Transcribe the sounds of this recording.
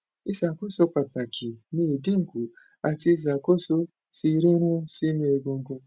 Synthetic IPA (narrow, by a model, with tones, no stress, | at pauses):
i˦za˨ko˦so˧k͡pa˨ta˨kʰi˨nĩ˦e˨de˦ŋ̩˨ɡu˨ | a˧ti˧i˦˧za˨ko˦˨so˦ | ti˧˦ɾe˦ɾ̃ũ˦si˦mĩ˧˦e˧ɡõ˧ŋ˦ɡũ˧